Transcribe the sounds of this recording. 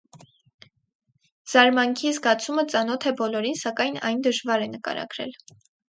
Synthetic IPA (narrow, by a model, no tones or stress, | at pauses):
z̥ɑɾmɑŋkʰizɡɑt͡sʰumət͡sɑn̪ɔt̪ʰɛbɔlɔɾinsɑkɑjnɑ̰jnd̪əʒvɑɾɛnəkɑ̰ɾɑ̰ɡɾɛ̰l